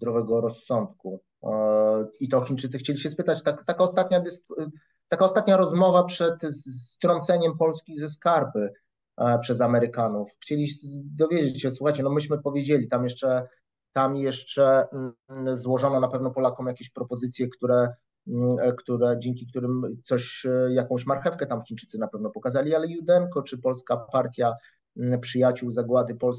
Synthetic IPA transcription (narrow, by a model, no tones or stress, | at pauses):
d̪ɾɔvɛɡɔɾɔsːɔnt̪̚ku | it̪ɔxʲint͡ʂɘt̪sɘxt͡ɕelʲiɕɛspɘt̪at͡ɕt̪akt̪akaɔst̪at̪ɲad̪ɛs | t̪akaɔst̪at̪ɲaɾɔzmɔvapʂɛt̪sst̪ɾɔnt̪sɛɲɛmpɔlskʲizɛskaɾbɘ | pʂɛzamɛɾɘkanufxt͡ɕelʲid̪ɔvʲjed͡ʑet͡ɕɕɛswuxajt͡ɕɛnɔmɘɕmɘpɔvʲjed͡ʑelʲit̪amjɛʂt͡ʂɛ | t̪amjɛʂt͡ʂɛ | zwɔʐɔnɔnapɛvnɔpɔlakɔ̃w̃jakʲeɕpɾɔpɔzɘt̪sʲjɛkt̪uɾɛ | kt̪uɾɛd͡ʑeŋkʲik̚t̪uɾɘmt̪sɔɕjakɔ̃w̃ɕmaɾxɛfkɛt̪amxʲint͡ʂɘt̪sɘnapɛvnɔpɔkazalʲialɛjud̪ɛŋkɔt͡ʂɘpɔlskapaɾt̪ʲja | pʂɘjat͡ɕuwzaɡwad̪ɘpɔls